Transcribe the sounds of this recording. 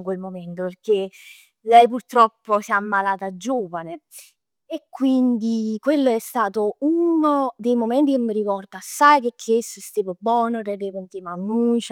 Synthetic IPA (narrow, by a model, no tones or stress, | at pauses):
ŋkwelmomɛnt̪operk̟e | lɛjpurt̪ɾɔpːosiamːalaːt̪ad͡ʒːoːvane | ekːwind̪ikwelːoɛst̪aːt̪ounod̪ejmomɛnt̪ikemːəɾikɔrd̪asːajkekʰːeesːoɛst̪eːvobːɔːnoɾɛd̪evont̪imamut͡ʃ